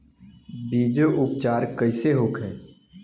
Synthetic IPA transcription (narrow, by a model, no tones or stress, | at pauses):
biːd͡ʒoʔʊp̚t͡ʃaːɾkəɪseɦoːkʰɦɛ̃ː